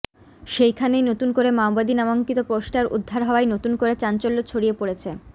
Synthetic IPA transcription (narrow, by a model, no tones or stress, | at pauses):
ʃejkʰanejnot̪unkoɾemawbad̪inamoŋkit̪opɾoʃʈaɾʔṵd̪ʱːaɾɦɔoajnot̪unkoɾet͡ɕant͡ɕolːot͡ɕʰoɽijepoɽet͡ɕʰe